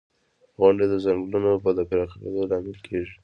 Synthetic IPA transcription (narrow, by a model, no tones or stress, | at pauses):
ɣʊɳɖed̪əzaŋɡlunopəd̪əpɪɾɑxɾḛd̪olɑmɪlkʰeʒi